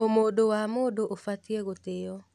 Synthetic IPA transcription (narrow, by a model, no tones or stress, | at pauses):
omodowamoːdoʔofatieɣoteɔ